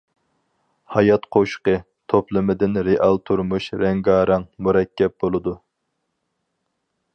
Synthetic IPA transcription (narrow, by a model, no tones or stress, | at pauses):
hɑjɑt̪qʰoʃqə | t̪ʰoplˠɨmɪd̪ɪnɾeʔɑlˠt̪ʰuɾmuʃɾɛŋɡɑːɾɑŋmuɾɛkʲːɛp̚bolˠɨd̪u